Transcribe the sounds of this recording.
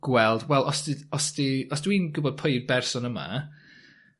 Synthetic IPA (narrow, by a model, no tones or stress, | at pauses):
ɡ̥wɛlˠdwɛlˠʔɔsdiɔsdiɔsd̥wiːnɡʊbɔd̥̚pʰojd̚bɛrsɔnəma̰